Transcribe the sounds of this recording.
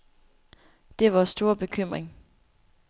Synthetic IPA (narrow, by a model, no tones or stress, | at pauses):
d̥e̝ʋɒsd̥o̝ɐb̥e̝kʰøm̰ʁeŋ